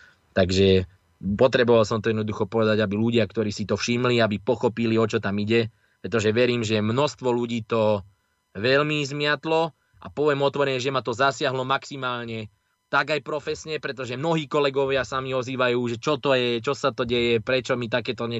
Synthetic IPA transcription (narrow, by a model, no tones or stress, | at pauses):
t̪aɡʒɛ | pɔt̪ɾɛbɔʋalsɔmt̪ɔjɛd̪nɔd̪uxɔpɔʋɛd̪aɟabiluɟɪakt̪ɔɾiːsit̪ɔfʃimliabipɔxɔpiliɔt͡ʃɔt̪amiɟɛ | pɾɛt̪ɔʒɛʋɛɾiːmʒɛmnɔst̪ʋɔluɟiːt̪ɔ | ʋɛlmizmɪat̪lɔ | a̰pɔʋɛmɔt̪ʋɔɾɛɲɛʒɛmat̪ɔzasɪaɦlɔmaksimaːlɲɛ | t̪aɡajpɾɔfɛsɲɛpɾɛt̪ɔʒɛmnɔɦiːkɔlɛɡɔʋɪasamiɔziːʋajuːʒɛt͡ʃɔt̪ɔjɛt͡ʃɔsat̪ɔɟɛjɛpɾɛt͡ʃɔmit̪̬akɛːt̪ɔɲɛ